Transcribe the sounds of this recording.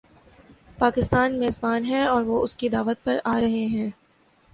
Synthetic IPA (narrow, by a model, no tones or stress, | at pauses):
paːkɪst̪aːnmeːzbaːnɦɛ̃ɔːɾʋoːʊskid̪aːʋət̪̚pɐɾaːɾɐɦeɦɛ̃ː